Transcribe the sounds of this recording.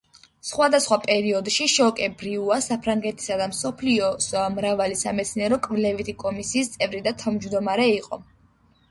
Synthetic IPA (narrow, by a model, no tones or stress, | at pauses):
sχwad̪asχwapʼɛɾiɔd̪ʃiʃɔkʼɛbɾiuasapʰɾaŋɡɛt̪ʰi̥sad̪amsɔpʰliɔsmɾavalisamɛt̪sʰniɛɾɔkʼvlɛvit̪ʰikʼɔmisiːst̪sʼɛvɾid̪at̪ʰamd͡ʒvd̪ɔmaɾɛiqʼɔ̰